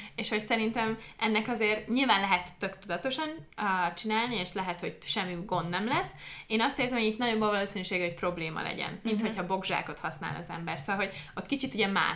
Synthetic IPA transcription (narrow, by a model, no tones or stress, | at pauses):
eːʃho̞csɛɾint̪ɛmʔɛnːɛkɒzeːrɲilvaːnlɛɦɛt̪ːø̞kt̪ud̪ɒt̪o̞ʃɒnːt͡ʃinaːlnieːʃlɛɦɛt̪ho̞ɟʃɛmːiɡo̞nd̪ːnɛmlɛsːeːnɒst̪eːrzɛmhoɟiːt̪nɒjo̞bːɒvɒloːsinyʃeːɡɛho̞c̚pro̞bleːmɒ̰lɛ̰ɟɛ̰nmint̪hochɒbo̞ɡʒa̰ːko̞t̪hɒsna̰ːlɒ̰zɛ̰mbɛrtsoɒlɦo̞ɟo̞t̪ːkit͡ʃit̪uɟɛma̰ː